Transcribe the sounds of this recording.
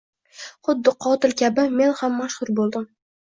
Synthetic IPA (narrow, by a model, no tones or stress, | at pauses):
χʊd̪ːɪqʰɒt̪ɪlkʲʰabɪme̞nhamːaʃhʊɾbolˠd̪ɪm